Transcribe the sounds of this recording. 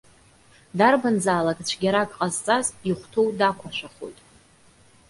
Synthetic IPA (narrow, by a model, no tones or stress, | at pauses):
darband͡zaːlakʼt͡ɕʷʰɡʲaɾakʼqʼazt͡sʼaziχʷtʰowdakʷʰaʃʷᶣaχo̰jtʼ